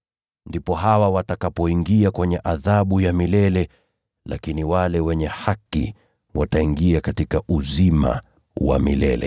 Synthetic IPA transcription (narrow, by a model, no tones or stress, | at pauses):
ndipɔɦawawatakapɔiŋɡiakwɛɲɛʔaðaɓujamilɛlɛ | lakiniwalɛwɛɲɛhakḭ | wataiŋɡiakatikaʔuzima̰ | wa̰mḭlɛlɛ̰